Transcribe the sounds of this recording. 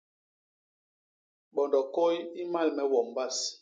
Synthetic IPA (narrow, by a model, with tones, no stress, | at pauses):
ɓɔ˨ndɔ˨ko˦ji˦ma˦˨lmɛ˨wɔ˨m˨ba˦˨s